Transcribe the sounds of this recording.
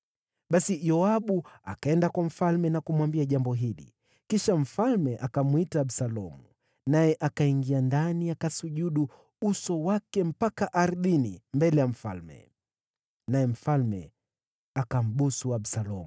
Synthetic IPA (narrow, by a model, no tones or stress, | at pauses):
ɓasijɔaɓua̰kaɛndakwam̩falmɛnakumwambiaʄambɔɦilḭ | kiʃam̩falmɛʔakamwitaːɓsalɔmu | najɛʔakaiŋɡiandanijakasuʄuɗu | usɔwakɛm̩pakaʔaɾðinḭmbɛlɛjam̩fa̰lmɛ̰ | najɛm̩falmɛ̰ | akam̩ɓusuaɓsalɔm